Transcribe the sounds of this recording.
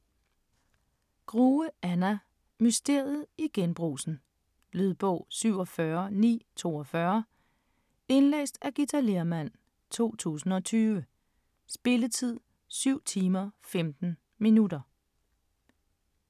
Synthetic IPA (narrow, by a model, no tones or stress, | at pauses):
ɡ̥ʁuːəænæ | mysd̥e̝ɐð̩ˠiɡ̥enb̥ʁṵːsn̩ | lyðˠb̥ɔʊ̰syʊ̰ɒ̽fɶɐnḭːt͡sʰo̝̰ːɒfɶɐ | e̝nlḛːsd̥æɡ̥it͡sʰæleɐmæn̰ | t͡sʰo̝̰ːt͡sʰṵːsn̩ɒ̽t͡sʰyːʋə | sb̥e̝lət͡sʰið̰ˠ | syʊ̰t͡sʰiːmɐfemd̥n̩ | minudɐ